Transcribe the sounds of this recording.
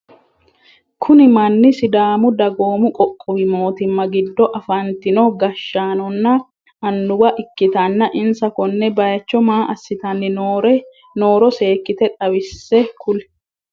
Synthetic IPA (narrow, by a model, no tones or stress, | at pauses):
kʰʊnɪmɐnːɪsɪd̪aːmʊd̪ɐɡoːmʊkʼɔkʼːɔwɪmo̞ːt̪ɪmːɐɡɪd̪ːɔʔɐfɐnt̪ɪnoɡɐʃːaːnɔnːɐ | ɐnːʊbɐʔɪkːɪt̪ɐnːɐʔɪnsɐkɔnːɛbɐjɐt͡ʃːɔmaːʔɐsːɪt̪ɐnːɪnoɾɛ | no̞ːɾɔse̞ːkːɪt̪ɛᶑ̪ʼɐβɪsːɛkʰʊlɛ̥